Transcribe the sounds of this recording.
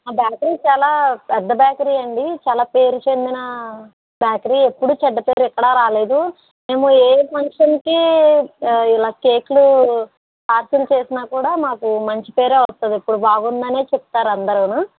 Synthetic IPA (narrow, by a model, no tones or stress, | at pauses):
aːbjaːkɐɾiːt͡ʃaːlaːpɛd̪ːɐbjaːkɐɾiːɐɳɖit͡ʃaːlaːpe̞ːɾut͡ʃe̞nd̪inɐ | bjaːkɐɾiːe̞pːuɽuːt͡ʃɛɖːɐpe̞ːɾuɛkːɐɽaːɾaːle̞ːd̪u | me̞ːmueːpʰɐŋkʂɐnki | ilaːke̞ːklu | kaːɾsulut͡ʃe̞ːsinaːkuːɽaːmaːkumɐɲt͡ʃi̥pe̞ːɾe̞ːʋɐst̪und̪iipːuɽubaːɡund̪ɐne̞ːt͡ʃep̚ut̪aːɾɐnd̪ɐɾunu